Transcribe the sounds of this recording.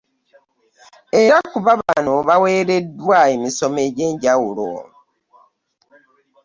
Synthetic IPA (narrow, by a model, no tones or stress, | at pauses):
e̞ɾakuβaβanoβawe̞ːɾe̞dːwaemiso̞meɟe̞ːɲɟawulo̰